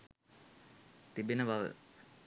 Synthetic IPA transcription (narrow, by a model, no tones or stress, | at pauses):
t̪ibinəʋaʋə̰